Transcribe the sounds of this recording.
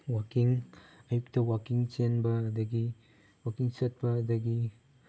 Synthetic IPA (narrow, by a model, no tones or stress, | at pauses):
wakiŋɐjuk̚tɐwakiŋt͡ʃenbɐːdɐɡi | wakiŋsɐt̚bɐːd̪ɐɡi